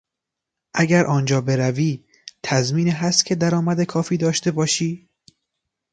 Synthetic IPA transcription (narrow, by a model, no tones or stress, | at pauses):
ʔæɡæɾʔɒːnd͡ʒɒːbeɾæviː | t̪ʰæzmiːniɦæst̪̚cʰed̪æɾɒːmæd̪ekʰɒːfiːd̪ɒːʃt̪e̞bɒːʃiː